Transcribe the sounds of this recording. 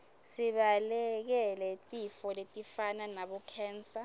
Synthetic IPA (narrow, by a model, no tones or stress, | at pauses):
siɓalɛk̬ɛlɛtʼifɔletʼifananaɓɔkʰɛːnt͡sʼa